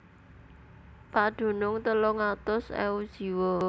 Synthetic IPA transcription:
paɖ̪̥o̤nʊŋt̪əlʊŋat̪ʊsɛ̰ud̥ʒ̥i̤wɔ

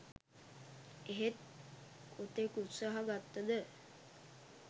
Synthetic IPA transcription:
eɦet̪̚ | kot̪ekut̪saɦaɡat̪ːəd̪ə

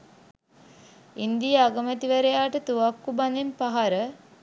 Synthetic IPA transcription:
ind̪ijəaɡəmæt̪iʋəɾejaːʈət̪uʋakːubanempaɦaɾə

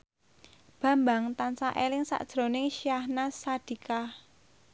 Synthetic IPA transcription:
b̥ä̤mbaŋt̪ansaʔelɪŋsa̰ʔd̥ʒ̥ɾo̤nɪŋʃiahnasad̪̥i̤kah

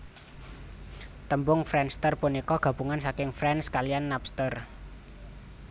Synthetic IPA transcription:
t̪əmbʊŋfɾɛnst̪ərpunikɔɡ̥ä̤b̥ṳŋansakɪŋfɾɛnskalijanːapst̪ər

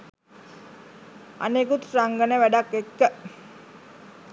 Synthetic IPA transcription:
a̰nekut̪raŋɡənəʋæɖakːekːə

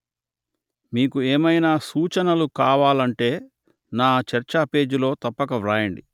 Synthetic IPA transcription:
miːkueːmɐjnaːsuːt͡ʃɐnɐlukaːʋaːlɐɳʈe̞ː | naːt͡ʃɐɾt͡ʃape̞ːd͡ʒilo̞ːt̪ɐpːɐkɐʋɾaːjɐɳɖi

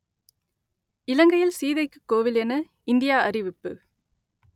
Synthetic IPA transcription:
ɪlɐŋɡɐjɪlsiːðɐɪkːɯ̥kːoːʋɪlɛnɐ | ɪnd̪ɪjaːɐɾɪʋɪpːɯ

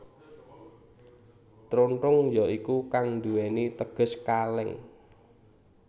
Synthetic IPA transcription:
t̪ɾonʈʊŋjɔikukaŋnd̪uwɛnit̪əɡ̥ə̤skalɪŋ

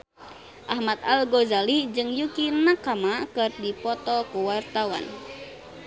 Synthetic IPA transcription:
ʔahmat̪alɡozalid͡ʒɨŋjukinakamakɨrdipɔt̪ɔkuwart̪awa̰n

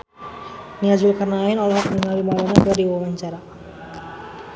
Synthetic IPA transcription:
niad͡ʒulkarnaːinɔlɔɦak̚mənəŋawimalanadaɾiwawaɲt͡ʃaɾa

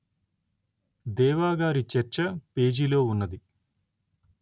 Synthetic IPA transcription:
d̪eːʋaːɡaːɾit͡ʃɐɾt͡ʃɐpe̞ːd͡ʒilo̞ːunːɐd̪i

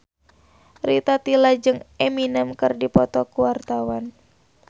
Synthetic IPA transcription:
rit̪at̪ilad͡ʒɨŋeminɛmkɨrdipɔt̪ɔkuwart̪awan

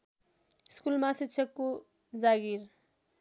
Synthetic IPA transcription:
skulmasit̪t͡sʰʌkːo | d͡zaɡir

